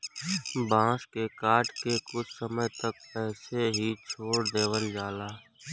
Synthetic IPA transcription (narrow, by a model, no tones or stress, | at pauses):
bãːʃkekaːʈkekʊt͡ʃʰsəməjt̪ək̚pɛːseɦit͡ʃʰoːɽd̪eːʋəld͡ʒaːlaː